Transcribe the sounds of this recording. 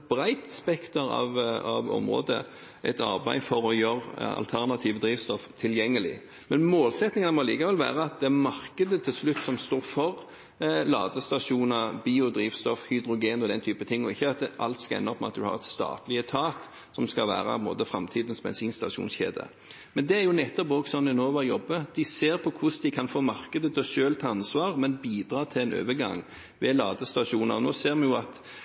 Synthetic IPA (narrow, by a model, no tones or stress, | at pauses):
bɾæɪt̪spɛkt̪əɾɑ̰ʋɑʋɔ̰mʁo̰ːd̪ə̰ | ʔɛt̪ɑɾbæɪfɔɾɔjøɾɑ̰lt̪ʰæʁnɑt̪ʰiːʋəd̪ɾiːʋst̪ɔft̪ʰɪljɛŋːəlɪ̰ | mɛnmoːlsɛt̪nɪŋɑnəmɔliːkɑʁʋɛlʋæ̰ːʁəɑt̪̚d̪ɛæmɑʁkəd̪ət̪ʰɪlslʉt̪ːsɔmst̪oːɾfɔʁ | lɑ̰ːd̪əst̪ɑʂuːnɑʁbiːʊd̪ɾiːʋst̪ɔfhʏd̪ɾʊɡeːnɔd̪ɛnt̪ʰyːpət̪ʰɪŋːɔɪçːəɑt̪̚ʔɑ̰lt̪skɑɛ̰nːɔpːmɛɑt̪̚d̪ʉhɑ̰ʁɛt̪st̪ɑ̰ːt̪lɪət̪ʰɑːt̪ | sɔmskɑʋæ̰ːɾɑ̰p̪mo̰ːd̪əfɾɑmt̪ʰiːd̪ən̩smɛ̰nsiːnst̪ɑ̰ʂṵːnsçḛːd̪ə̰ | mɛnd̪ɛæɾjʊnɛt̪ːɔpoːɡsɔnd̪ɪnoːʋɑɾjɔbːəd̪ɪseːɾpʰɔkʰʊsd̪ɪkʰɑnfoːmɑʁkəd̪ət̪ʰɔʃøːlt̪ʰːɑnsʋɑːʁmɛnbiːd̪ɾɑːt̪ʰɪlɛnø̰ːʋəɡɑ̰ŋ | ʋɛlɑːd̪əst̪ɑʂuːnɑ̰ʁnoːseːʁmɑnjʊɑt̪